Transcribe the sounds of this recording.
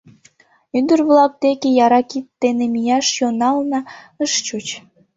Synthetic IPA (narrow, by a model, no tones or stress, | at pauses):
ynd̪ərβlɑk̚d̪ekejɑɾɑkit̪ːenemijɑʃjonɑlnɑ | əʃt͡ɕut͡ɕ